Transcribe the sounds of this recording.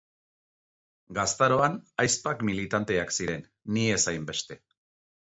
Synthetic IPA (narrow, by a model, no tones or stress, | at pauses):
ɡast̪aɾo̞anajspakmilit̪ant̪e̞aksiɾe̞nː | ie̞sajmbe̞st̪e̞